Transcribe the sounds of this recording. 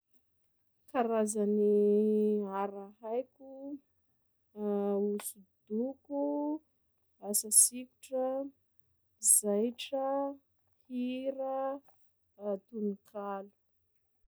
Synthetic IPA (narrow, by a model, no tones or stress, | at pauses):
kaɾazani | aɾahajkʲu | usud̪̥uku | asasiku̥ʈ͡ʂə | zajʈ͡ʂə | hiɾə | t̪unikʰalu̥